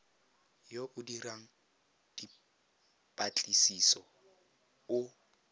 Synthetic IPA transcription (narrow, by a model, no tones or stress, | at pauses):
joʔʊdiraŋ̩ | d̥i | pʼat͡ɬʼisisɔ | ʊ